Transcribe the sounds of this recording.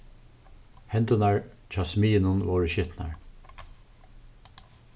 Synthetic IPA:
hɛnt̪ʊnaɹt͡ʃʰɑːsmiːɪnʊnvɔːɹəʃɪt̪na̰ɹ

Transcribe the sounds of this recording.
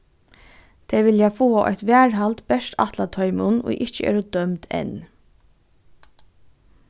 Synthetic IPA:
t̪ʰɛːʋɪljafoːaʔɔ̰jt̪ʋæːɹɦalt̪bɛʃta̰t̪lat̪ʰɔʏmʊno̰ʔɪt͡ʃəʔḛːɾʊd̪œmt̪ʰɛ̰n

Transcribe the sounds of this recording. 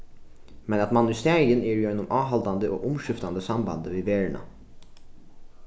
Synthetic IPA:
mɛnɑt̪mɑnʏst̪eːɾɪəniːɾjœnːʊmʔɑːɦɑld̪ɑnd̪əʔo̰ːʔʊmʃʏft̪ɑnd̪əsɑmbɑ̰nd̪əʋiːʋeːɹɳɑ̰

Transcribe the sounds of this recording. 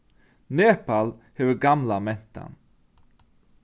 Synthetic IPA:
neːpalhɛvəɡamlamɛnt̪ʰa̰n

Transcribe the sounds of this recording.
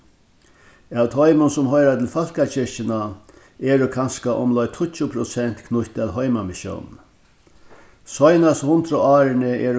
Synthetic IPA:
awt̪ʰɔjmʊnsʊmɦɔjɾat̪ʰɪlfal̥kat͡ɕɪʂt͡ʃɪna | ɛːɾʊkʰanskaʔɔ̰mlɔjt̪ʰʊt͡ʃːʊpʰɾʊsɛn̥t̪kʰnʊhʲt̪ɛlɦɔjmamɪʃjɔ̰wn | sɔjnashʊnt̪ɾʊaːɾɪnəɛːɾ

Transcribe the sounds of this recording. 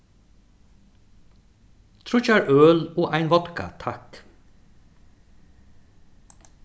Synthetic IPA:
t̪ʰɾʊt͡ʃæːɹʔøːloːʔæɪnʋɔt̪ka̰t̪ʰɑk

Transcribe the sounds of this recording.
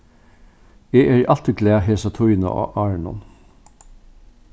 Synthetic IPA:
eːæːɾʔɑlt̪əɡlæːɦeːsɑt̪ʰɔʏnə̰ɑ̰ːʔɑːɹɳʊ̰n

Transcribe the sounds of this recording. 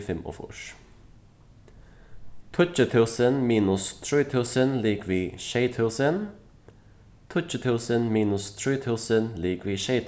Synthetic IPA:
fɛmɔ̰fɔ̰ʃ | t̪ʰʊt͡ʃət̪ʰʉːsənmiːnʊst̪ʰɹiːt̪ʰʉːsənliːkʋiːʃeɪt̪ʰʉːsən | t̪ʰʊt͡ʃət̪ʰʉːsənmiːnʉst̪ʰɹiːt̪ʰʉːsənliːkʋiːʃeɪt̪ʰ

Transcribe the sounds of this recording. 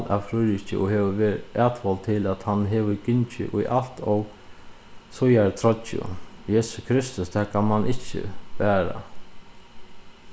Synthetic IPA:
la̰fɾʊjɾɪt͡ɕə̰ʔɔɦɛːʋəʋɛːɾæːt̪ʋɔlt̪ʰɪlæt̪hanɦɛːʋəkɪɲt͡ʃɪ̰ʔʊjʔal̥t̪ʰɔw | sʊjaɾt̪ʰɾɔt͡ʃʊ̰jɛːsʊ̥skʰɾɪst̪ʊst̪ʰæːkʰanmanʔɪcːə̰pæːɾa̰

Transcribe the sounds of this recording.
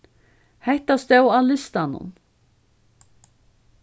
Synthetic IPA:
hɛht̪ast̪ɛwalɪst̪anʊ̰n

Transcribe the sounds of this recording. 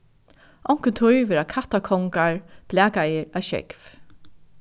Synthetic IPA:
ʔɔwŋ̥kənt̪ʰʊjvɛːɾakʰaht̪akʰɔŋkaɹb̥læːkajɪɹaʃɛ̰kv

